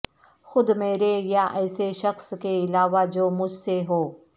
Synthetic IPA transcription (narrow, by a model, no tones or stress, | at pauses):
xʊd̪meːɾejaʔɛːseʃɐxskeɪlaːʋad͡ʒoːmʊd͡ʒʱseɦoː